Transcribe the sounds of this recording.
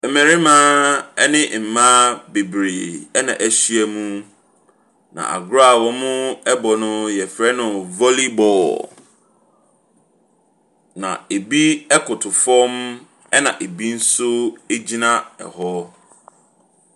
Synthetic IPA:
mæ̃˨ɾɪ˦mãː˦ɛ˦nɪ̃˦m̩˨mã˦be˨bɾḛ˨ɛ˦nã̰˨ʔæ˨ɕi˦ɛ˨mũ˦ | nã̰˨ʔa̰˨ɡʊ˦ɾa˦˨wɔ̃˦mʊ̃˦ɛ˦bɔ˨nʊ̃˦jɛ˨fɾɛ˦nʊ̃˨vɔ˦li˦bɔ˨ | nã̰˨e˨bi˦ɛ˦kʰʊ˨tʰʊ˨fɔ̃˦m | ɛ˦nã˨ʔe˨bi˦n̩˦sʊ˦e˦d͡ʑi˦nã˦ɛ̰˨hɔ˦

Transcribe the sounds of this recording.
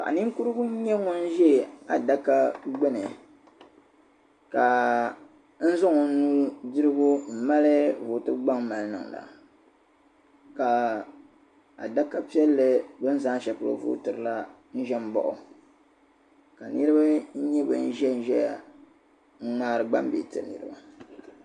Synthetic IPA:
pa̰˨ʔa̰˨ni˦ŋ˦ku˦ɾɨ˦ɡʊ˦ɲɛ˦ŋo˦n̩˦ʒɛ˦˨a˨da˦ka˦ɡ͡bɛ˦nɨ˨ | ka˨ | n̩˦zɔ˦ŋɔ˨˦nuː˦dɨ˦ɾɨ˦ɡʊ˦m̩˨ma˦lɨ˦vo˨tɨ˦ɡ͡ba˦ŋma˨lɨ˦nɨ̰˨ŋ˨la̰˨ | ka˨ | a̰˨da˦ka˦pi˦ɛ˦lːɨ˨bɨ˦n˦zaː˦ʃɛ˨pʊ˨ɾo̰˨vṵː˦tɨ˨ɾɨ˨la˦ | n̩˦ʒɛ˦m˦bɔ̰˨ʔʊ˨ | ka˨nɨ˦ɾɨ˦ba˦n̩˦ɲɛ˦bɨ̰˨n̩˦ʒɛ˦˨n̩˨ʒɛ˦ja̰˨ | ŋ̩˦ŋ͡maː˦ɾɨ˦ɡ͡ba˦mbḛ˨tɨ̰˨nɨ˨ɾɨ̰˦ba˦

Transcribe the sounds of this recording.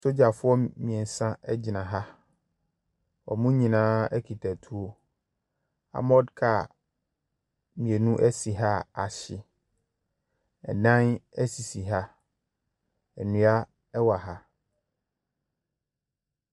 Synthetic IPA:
so˦d͡ʑa˨fʊ˦ɔ˦mĩ˨e˨n̩˨sã˦ɛ˦d͡ʑɪ˨nã˨ɦa˦ | ɔ̰˨mũ˦ɲĩ˨nãː˦ɛ˦kʰi˨tʰa˨tʰu˦o˦ | a̰˨mɔ˦dkʰa˦˨ | mĩ˨e˨nũ˦ʔɛ˦si˨ɦa˦a˨ɕɪ˦ | ɛ̰˨nã˦nɛ˦si˨si˨ɦa˦ | ɛ˨nũ˨a˦ | ɛ˦wa˨ɦa˦

